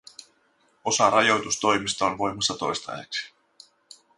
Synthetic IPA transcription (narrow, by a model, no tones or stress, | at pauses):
o̞sɑɾɑjo̞wt̪ust̪o̞jmist̪ɑonʋo̞jmɑsːɑt̪o̞̰jst̪ɑ̰jḛksi̥